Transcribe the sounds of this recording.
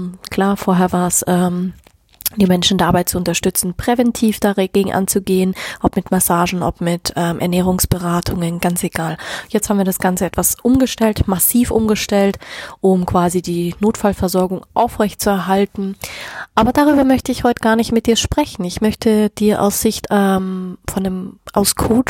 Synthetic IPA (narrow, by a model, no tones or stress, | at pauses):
kʰl̥aːɐfoːɐɦɛːɐvaːɐsʔɛːm | d̥iːmɛnʃn̩daaːbaɪt̚t͡suʊntɐʃtʏt͡sn̩pʁ̥ɛvɛntʰiːfd̥aɡeːɡŋ̩ʔa̰nt͡suɡeːənʔɔpmɪtmasaːʒn̩ʔɔ̰pmɪtʔɛːmʔɛ̰ɐnɛːʁ̞ʊŋsb̥əʁaːtʰʊŋənɡant͡seɡ̥aːljɛt͡sthabm̩viːɐɾasɡ̥ant͡səɛtv̥asʔʊmɡəʃtɛltmasiːfʔʊmɡəʃtɛltʔʊmkv̥aːzidiːnoːtfalfɛɐzɔɐɡʊŋʔaʊfʁɛçtt͡suɛɐɦaltn̩ʔaːbɐdaːʁ̞yːbɐmœçtəɪçhɔʏtəɡ̥aːɐnɪçtmɪt̚d̥iːɐʃpʁ̥ɛçn̩ɪçmœçtʰəd̥iːɐʔa̰ʊsz̥ɪçtʔɛmfɔndəmʔaʊskʰoːt͡ʃ